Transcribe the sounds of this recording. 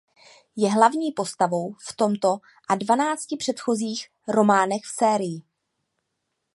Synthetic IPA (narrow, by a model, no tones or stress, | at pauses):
jɛɦlavɲiːpo̞st̪avo̞wft̪o̞mt̪o̞ | ʔadvanaːt͡scɪpr̥ɛt̪xo̞ziːx | ɾo̞maːnɛxfsɛːɾɪjɪ